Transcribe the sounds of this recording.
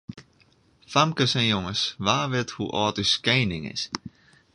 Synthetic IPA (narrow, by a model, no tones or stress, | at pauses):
famkəsɛnjoŋəsʋaːʋɪthṵʔɔːtyskɛːnɪŋɪ̰s